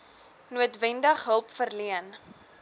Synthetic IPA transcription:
nuətvɛndəχɦəlˠpfərliən

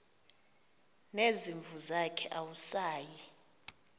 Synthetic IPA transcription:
neziɱvʱuzakʰɛʔawusaːji

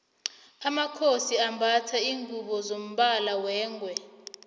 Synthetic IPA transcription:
amakʰosiambʱatʰaiːŋʱuɓɔzom̩ɓalawɛːŋʱwɛ

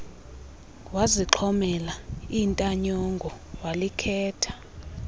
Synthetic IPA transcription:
waziǁʰɔmɛlaintʼaɲɔŋɡʱɔ | walikʰɛːtʰḁ

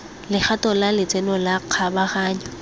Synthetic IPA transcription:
lɪk͡xʰatɔlalɪt͡sʼɛnɔlaq͡χʰabaχaːɲɔ

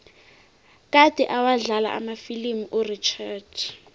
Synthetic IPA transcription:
k̬ʼad̥ʱɛʔawaɮala̰ʔa̰mafilimuʔurit͡ʃʰɛt͡ʃʰ

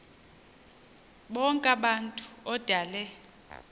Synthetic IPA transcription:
ɓɔŋkʼaɓantʼu̥ɔd̥ʱaːlɛ

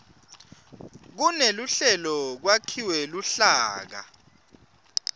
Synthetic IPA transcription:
k̬unɛluɬɛlɔk̬wakʰiwɛluɬaːk̬a̰

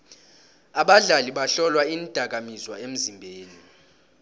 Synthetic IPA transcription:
aɓaɮaliɓaɬɔlwaind̥ʱak̬amizwaem̩zimbʱeːni

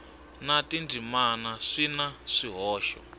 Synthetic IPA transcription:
natindʱimanaʂinaʂiɦɔːʃɔ̰

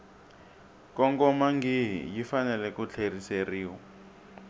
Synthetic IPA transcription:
kɔŋkɔmaŋɡiɦḭjifanɛlɛkut͡ɬʰeriseriːwɔ

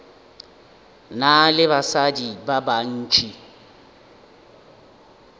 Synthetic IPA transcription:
nalɪβasadibaban̩ːt͡ʃʼʰi

